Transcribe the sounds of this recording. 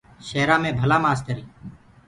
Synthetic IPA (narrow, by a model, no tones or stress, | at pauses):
ʃeːɾãːmẽːbʱəlaːmaːst̪əɾiː